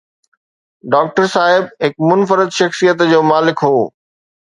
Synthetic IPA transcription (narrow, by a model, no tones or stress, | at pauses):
ɖaːk̚ʈəɾsaːɦɪbɦɪkmʊnfəɾɪd̪ʃɐxsijət̪d͡ʑoːmaːlɪkɦoː